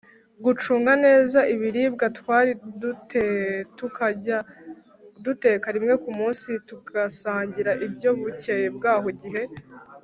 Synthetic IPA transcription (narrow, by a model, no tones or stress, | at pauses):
ɡut͡ʃuːŋɡane̞ːzaʔiβiɾiːb̚ɡatwaːɾi | tuka | dute̞ːkaɾimŋe̞kumuːnsituɡasaːɲɟiɾaʔibɟo̞βucejeb̚ɡaːɦo̞ɟiɦe̞